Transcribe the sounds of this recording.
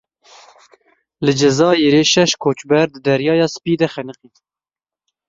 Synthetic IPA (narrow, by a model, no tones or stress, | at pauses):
lɨd͡ʒɛzɑːjeɾeːʃɛʃkʰoːt͡ʃbɛɾd̪ɨd̪ɛɾjɑːjɑːspiːd̪ɛxɛnɨqiːt̪